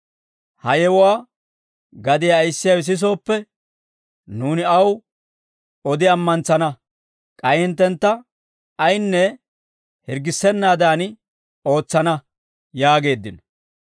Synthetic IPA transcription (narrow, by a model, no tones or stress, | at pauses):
hɐjɛwʊwaː | ɡɐd̪ɪjajɪsːɪjawɪs̬ɪs̬o̞ːpːɛ | nuːnɪɐw | ɔd̪ɪɐmːɐnt͡sːɐnɐ | kʼɐjɪnt̪ːɛnt̪ːɐ | ɐjnːɛ | hɪɾɡɪsːɛnːaːd̪aːn | o̞ːt͡sːɐnɐ | jaːɡe̞ːd̪ːɪnɔ